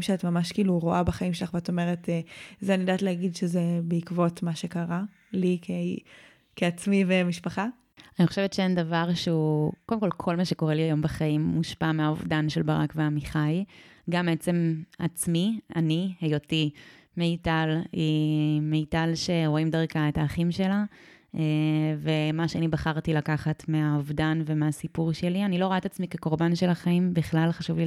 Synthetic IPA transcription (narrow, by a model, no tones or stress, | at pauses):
mʃeatmamaʃkiːluʁo̞ʔabaχaimʃelaχveato̞meʁetezeanidatleaɡidʃezebeikvotmaʃe̞kaʁa | like | keat͡smivemiʃpaχa | aniχo̞ʃevetʃeendavaʁʃeukodemko̞lkʰo̞lmaʃe̞ko̞ʁeliajo̞mbaχaimːuʃpameaovdanʃelbaʁa̰kveamiχajɡambet͡se̞mat͡smianihejo̞timejtalimejtalʃe̞ʁo̞imdaʁkae̞taːχimʃe̞la | eve̞maʃeanibaχaʁtilakaχatmeauvdanve̞measipuʁʃe̞lianilo̞ʁoatat͡smikeko̞ʁbanʃelaχaimbiχlalχaʃuvli